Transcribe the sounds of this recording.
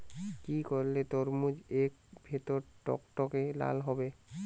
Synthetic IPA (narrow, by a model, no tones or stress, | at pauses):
kikoɾlet̪oɾmud͡ʑek̚bʱet̪oɾʈɔ̰kʈɔkela̰lɦɔbe